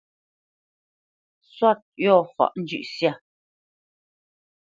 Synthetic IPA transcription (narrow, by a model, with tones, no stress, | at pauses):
swa˦˨t̪̚jɔ˦˨hwa̰˨ʔn̩˦d͡ʒʉ̰˨ʔsja˦˨